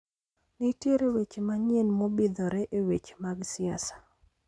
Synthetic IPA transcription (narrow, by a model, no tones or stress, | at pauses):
nitjeɾewet͡ʃemaɲenmobid̪ɔɾɛʔewet͡ʃmaɡsɪasḁ